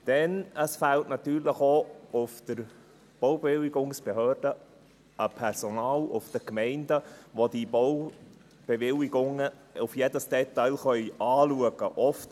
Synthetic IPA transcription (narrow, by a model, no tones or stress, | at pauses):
d̥ɛnəsfæltnɑt̪yːɾləχoʊfd̥əɾ | b̥ɔwbeʋɪwiɡʊŋsb̥ehøːɾd̥ə | əpʰɛɾsonɑːlʊ̰fd̥̪əkmɛɪndəʋod̥ibɔw | b̥eʋɪliɡʊŋə | ʊfjedəsd̥ɛt̪ɑɪlχœʏʔɑːluəɡ̥əʔɔft